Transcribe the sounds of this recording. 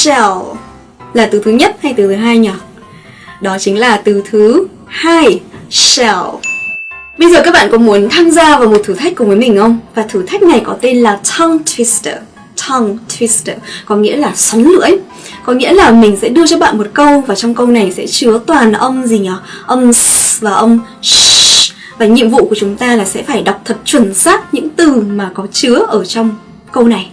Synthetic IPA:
ɛ˧˩w | laː˨˩t̪ɨ˨˩˦t̪ʰɨ˨˦ɲə˦˥t̚ha˧jt̪ɨ˨˩t̪ʰːɦaː˧jɲa˨˩ | ɗɔ˨˦t͡ɕï˨˦ŋ̟laː˨˩t̪ɨ˨˩t̪ʰɨ˨˦ | haː˧jsɛ˧˩w | ɓə˧jzəː˨˩kaː˦˥k̚ɓa̰ː˧˨kʊ̰˧˥ŋ͡mmu˨˦ənt̪ʰaː˧mzaː˧vaː˨˩wmo˨˩t̪ʰɨ˨˧˩t̪ʰa˦˥j̚ku˨˩vəː˨˦jmï˨˩ŋ̟ʔə˧wŋ͡mvaː˨˩t̪ʰɨ˧˩t̪ʰa˦˥jk̟̚na˨˩jkɔ˨˦t̪e˧nlaː˨˩t̪ʰɔ˧ŋt̪ʰwi˨˦stː | t̪ʰɔ˧ŋt̪ʰwi˧˥stə˨˩kɔ˨˦ŋḭ˧˥əlaː˨˩swa˨˦nlɨ̰˧˥əŋ | kɔ˨˦ŋḭ˧˥əlaː˨˩mï˨˩ŋ̟sɛ̰˧˥ɗɨ˧ət͡ɕɔ˧ɓa̰ː˧˨nmo˨˩t̚kə˧wvaː˨˩t͡ɕɔ˧wŋ͡mkə˧wna˨˩jsɛ̰˧˥t͡ɕɨ˨˦ət̪waː˨˩nʔə˧wmzi˨˩ɔ˨˩ʔə˧wmvaː˨˩ʔə˧wŋ͡m | vaː˨˩ɲḭ˧˨əmvṵ˧˨ku˧˩ət͡ɕʊ˨˦ŋ͡mt̪aː˧laː˨˩sɛ̰˧˥faː˧˩jɗa˨˩wk͡p̚t̪ʰə˨˩t̚t͡ɕwə˧˩nsaː˦˥t̚ɲɨ̰˧˥ŋt̪ɨ˨˩maː˨˩kɔ˨˦t͡ɕɨ˨˦əʔəː˧˩t͡ɕɔ˧wŋ͡m | kə˧wna˨˩j

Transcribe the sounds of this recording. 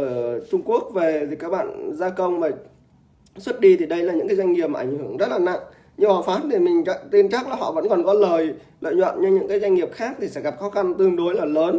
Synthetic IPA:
ʔəː˧˩t͡ɕʊ˧ŋ͡mku˦˥ək̚ve˨˩i˨˩kaː˦˥k̚ɓa̰ː˧˨nzaː˧kə˧wŋ͡mmaː˨˩ | swə˦˥t̚ɗi˧t̪ʰi˨˩ɗə˧jlaː˨˩ɲɨ̰˧˥ŋkaː˨˦zwjŋ̟ŋi˨˩əp̚m˨ʔa˧˩ŋ̟hɨ˧˩əŋzə˦˥t̚laː˨˩na̰˧˨ŋ | ɲɨ˧ɓaː˨˩faː˨˦nt̪ʰi˨˩mï˨˩ŋ̟t͡ɕa˦˥t̪i˧nt͡ɕa˦˥k̚laː˨˩ɦɔ̰˧˨və̰˧˥nkɔ˨˩nkɔ˨˦ləː˨˩j | lə̰ː˧˨jɲwə̰˧˨nɲɨ˧ɲɨ̰˧˥ŋkaː˨˦jzwa˧jŋ̟ŋi˨˩əp̚xaː˦˥k̚t̪ʰi˨˩sɛ̰˧˥ɣa˨˩p̚xɔ˨˦xa˧nt̪ɨ˧əŋɗo˨˦jlaː˨˩ləː˨˦n

